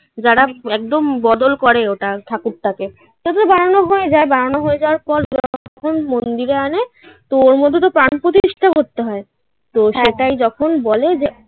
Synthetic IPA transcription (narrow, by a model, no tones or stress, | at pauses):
d͡ʑaɾaɛk̚d̪ombɔd̪olkɔɾeoʈat̪ʰakuɾ̚t̪ake | t̪t̪t̪obaɽanoɦoed͡ʑaebaɽanoɦoed͡ʑawaɾpɔɾaɔkʰonmond̪iɾeane | t̪ooɾmod̪ʱːet̪opɾanpɾot̪it̪iʃʈʰakoɾt̪eɦɔe | t̪oʃeʈajd͡ʑɔkʰonbɔled͡ʑe